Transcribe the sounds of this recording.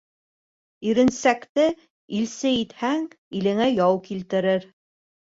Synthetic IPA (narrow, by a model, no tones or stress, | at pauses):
iɾɘ̆nsækt̪ɘ | ilsɘit̪hæŋ | ilɘ̆ŋæjɑwkilt̪ɘ̆ɾɘɾ